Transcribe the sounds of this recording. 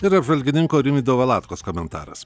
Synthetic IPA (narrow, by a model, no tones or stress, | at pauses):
ɪɾɐbʒʋɐlʲɡʲɪnʲɪŋkoːɾʲɪmʲiːd̪ɐʋɐːlˠɑːt̪koːskoːmʲɛnt̪ɑ̰ːɾɐ̰s